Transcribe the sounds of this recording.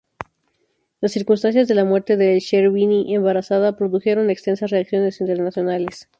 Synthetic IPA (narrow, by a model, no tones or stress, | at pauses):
lasːiɾkunst̪ansjazðe̞lamwe̞ɾt̪e̞ðeʃeɾβiniʔembaɾasaðapɾo̞ðuxe̞ɾo̞ne̞kst̪e̞nsasreaksjo̞ne̞sint̪e̞ɾnasjo̞nale̞s